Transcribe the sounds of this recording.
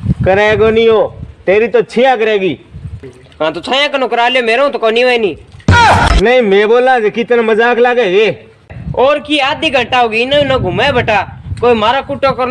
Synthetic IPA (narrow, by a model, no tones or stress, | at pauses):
kəɾeːɡoːnĩːoːt̪eːɾiːt̪oːt͡ʃʰiːjãːkəɾeːɡiː | ɦãːt̪oːt͡ʃʰaːjãːkənõːkəɾaːljoːmeːɾũːt̪oːkoːnĩːʋəeniː | nəĩːmẽːboːlãːd͡ʒeːkiːt̪enẽːməzaːklaːɡeːeː | oːɾkiːaːd̪iːɡʱəʈaːoːɡiːnaːĩːnaːɡʱʊmaːbʱəʈaːkoːiːmaːɾaːkʊʈːoːkəɾ